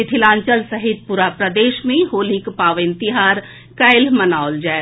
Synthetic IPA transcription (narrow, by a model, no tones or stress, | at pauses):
ɪt̪ʰilãːɲt͡ʃəlsɐɦɪt̪̚puɾapɾəd̪eːʃmẽɦoːlikpaːʋɪ̃nt̪ɪɦaːɾ | kɐɪlmənaːold͡ʒaː